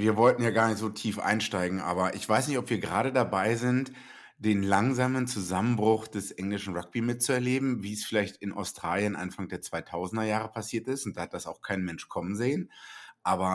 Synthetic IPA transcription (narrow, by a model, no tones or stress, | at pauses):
viːɐvɔltn̩jaːɡaːɐnɪçtz̥oːtʰiːfʔa̰ɪnʃtaɪɡŋ̩ʔa̰ːbɐʔɪçv̥aɪsnɪçtɔpv̥iːɐɡəʁaːɾədabaɪzɪnt | d̥eːnlaŋzaːmənt͡suzamənbʁʊχd̥ɛsʔɛŋlɪʃn̩ʁak̚b̥imɪt̚t͡suɛɐleːbm̩viːsfɪlaɪçtɪnʔa̰ʊstʁ̥aːljənʔa̰nfaŋdeːɐt͡sv̥aɪtʰaʊzn̩dɐjaːʁəpʰasiːɐtɪstʊnt̚d̥aːhat̚d̥asaʊxkʰaɪnmɛnʃkʰɔmənzeːənʔaːbɐ